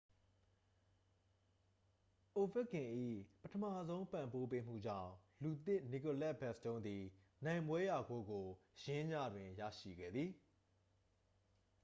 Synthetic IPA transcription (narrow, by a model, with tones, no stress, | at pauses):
ʔo˨vɪ˦ʔkːɪ̃˨ʔḭ˦˨pətʰə˨ma˦˨zõ˦ʊ̃mpã˨mpo˦p̬e˦m̥ṵ˦˨d͡ʑã̰˦˨ʊ̃lu˨t̪ɪ˦ʔni˨ko˨lɛ˦ʔ̚bɛ˦˨ʔstõ˦ʊ̃nd̪i˨ | nã˨ɪ̃mbwɛ˦ja˨ɡo˨˦ɡo˨jɪ̃˦ja̰˦˨dwɪ̃˨ja̰˦˨ʃḭ˦˨ɡɛ̰˦˨d̪ði˨